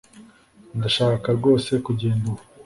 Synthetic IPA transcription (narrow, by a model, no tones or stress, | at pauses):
ndaʃaːkaɾɡo̞ːse̞kuɟeːnduwa